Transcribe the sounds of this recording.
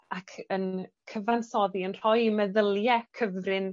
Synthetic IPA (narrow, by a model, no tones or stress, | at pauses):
akʰənkʰəvansɔðiənr̥ɔjmɛðəlˠjɛkʰəvrɪn